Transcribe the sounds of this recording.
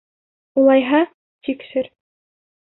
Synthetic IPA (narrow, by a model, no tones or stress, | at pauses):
ulˠɑjɦɑ | t̪ikʃɘɾ